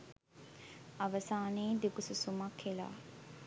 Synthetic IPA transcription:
ɐʋɐsaːneːd̪ikususumɐkʰːela̰ː

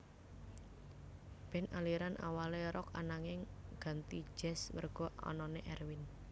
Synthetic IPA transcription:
b̥ɛ̤naliɾanʔa̰waleɾɔka̰naŋɪŋɡ̥a̤nt̪i̥d͡ʒ̥ɛ̤smərɡ̥ɔ̤ɔ̰nɔneʔɛrwɪn

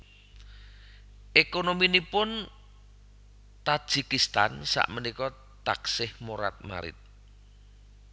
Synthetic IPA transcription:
ʔekonominipʊn | t̪ḁʒ̥ikist̪a̰nsa̰ʔmənikɔ | t̪aksɪhmoɾa̰t̪̚ma̰ɾɪ̰t̪̚

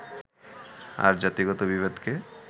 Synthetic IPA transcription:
a̰ɾd͡ʒat̪iɡɔt̪obiβed̪ʱke

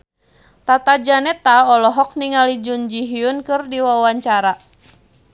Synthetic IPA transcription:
t̪at̪ad͡ʒanɛt̪aɔlɔɦɔk̚niŋalid͡ʒund͡ʒiɦiunkɨrdiwawaɲt͡ʃaɾa

